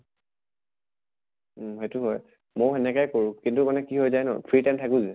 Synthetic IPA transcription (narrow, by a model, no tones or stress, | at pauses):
ɦetʊɦɔj | mojɛnɛkajkoɹʊ̃kintumanɛkiɦojzajnɔ̰pʰɹitajmtʰakuzɛ